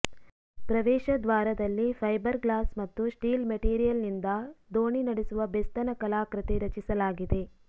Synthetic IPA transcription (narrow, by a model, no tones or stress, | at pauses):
pɾɐʋɛːʃɐd̪ʋaːɾɐd̪ɐlːifʰɐjbɐɾɡlaːsmɐt̪ːusʈiːlmɐʈiːɾijɐlnind̪ɐd̪oːɳinɐɽesuʋɐbest̪ɐnɐkɐlaːkɾɐt̪eɾɐt͡ʃisɐlaːɡid̪e̞